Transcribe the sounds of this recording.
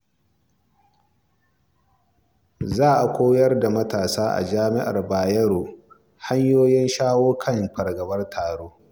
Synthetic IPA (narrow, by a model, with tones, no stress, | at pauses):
zaː˦˨ʔa˨kʷoː˦jɐ˦rda˨mɐ˦taː˨saː˦ʔa̰˨d͡ʒaː˦mɪ˦ʔa̰˨rbaː˨jɐ˦ɽoː˨ | ha˦ɲjoː˦jɪ˦nʃaː˦woː˦kʰɐ˦mɸɐ˨rɡɐ˨bɐ˦rtʰaː˨ɽoː˦